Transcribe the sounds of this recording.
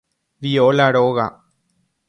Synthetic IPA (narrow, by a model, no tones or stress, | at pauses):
ʋijoːlaɽoːɣa